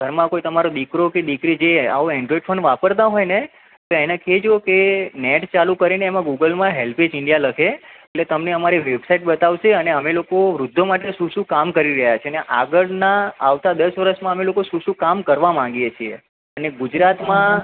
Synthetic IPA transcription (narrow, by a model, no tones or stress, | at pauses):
ɡʱəɾmãkoit̪əmaɾod̪ikɾoked̪ikɾid͡ʒea̰oɛ̃ɳɖɾɔiɖfʰənʋapəɾt̪̬aɦɔjne | t̪oenãkʰed͡ʒokeneʈt͡ʃalũkəɾineːmãɡuɡəlmãɦelpʰed͡ʒɪɳɖijaləkʰeeʈlet̪əmneəmaɾiʋebsaiʈ̚bət̪aʋʃeəneəmelokoʋɾʊd̪ʱːomaʈeʃũʃũkamkəɾiɾəɦjat͡ʃʰeəneʔaɡəɭnaaʋt̪ad̪əsʋəɾəʃmãəmelokoʃũʃũkamkəɾʋamãŋɡjet͡ʃʰie | əneɡud͡ʒɾat̪mã